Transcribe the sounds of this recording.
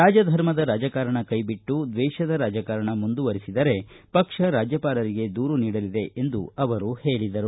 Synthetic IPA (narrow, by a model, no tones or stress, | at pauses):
ɾaːd͡ʒɐd̪ʱɐɾmɐd̪ɐɾaːd͡ʒɐkaɾɐɳɐkɐjbiʈːud̪ʋɛːʃɐd̪ɐɾaːd͡ʒɐkaːɾɐɳɐmund̪uʋɐɾisid̪ɐɾe̞ | pɐkʂɐɾaːd͡ʒjɐpaːɾɐɾiɡe̞d̪uːɾuniːɽɐlid̪e̞ʔe̞nd̪uɐʋɐɾuhe̞ːɭid̪ɐɾu